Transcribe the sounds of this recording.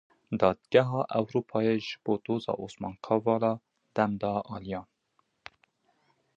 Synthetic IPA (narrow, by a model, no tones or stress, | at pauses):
d̪ɑːd̪ɡɛɦɑːʔɛwɾuːpʰɑːjeʒɨb̥oːd̪oːzɑ̰ːʔoːsmɑ̰ːnkʰɑvɑːlɑː | d̪̥ɛmd̪ɑːʔɑːlijɑːn